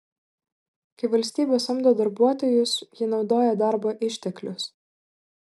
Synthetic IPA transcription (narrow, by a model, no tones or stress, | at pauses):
kʲɐɪʋɐlʲsʲt̪ʲiːbʲoːsɐmd̪oːd̪ɐɾbuɔt̪oːjʊsjɪnɒʊd̪oːjɛd̪ɑˑɾboːʔɪʃʲt̪ʲɛklʲʊs